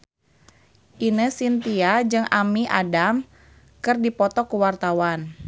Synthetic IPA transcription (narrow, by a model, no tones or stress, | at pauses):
ʔinəsint̪iad͡ʒɨŋamiʔa̰dam | kɨrdipɔt̪ɔkuwart̪awan